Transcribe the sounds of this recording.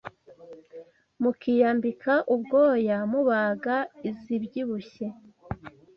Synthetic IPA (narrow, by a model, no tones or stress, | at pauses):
mukijaːmbikʰaʔubɡoːjamuβaːɡaizibɟiβuçe̞